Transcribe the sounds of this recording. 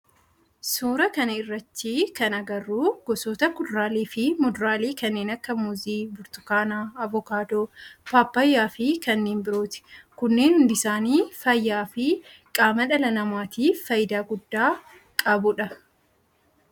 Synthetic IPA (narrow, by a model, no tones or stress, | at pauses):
suːɾɐkɐnɐɪrːɐt̪ːiːkɐnɐɡɐrːuːɡ̥ɔsoːt̪ɐkʊd̪ʊɾaːliːfɪmʊd̪ʊɾaːliːkɐnːeːnɐkːɐmʊziːbʊɾt̪ʊ̥kaːnaːɐvɔkaːd̪oːpaːpːɐjːaːfɪkɐnːeːnbɪɾo̞ːt̪ɪ̥kʊnːe̞ːnhʊnd̪ɪsaːniːfɐjːaːfɪkʼaːmɐᶑɐlɐnɐmaːt̪iːfɐjɪd̪aːɡʊd̪ːaː | kʼɐbʊᶑɐ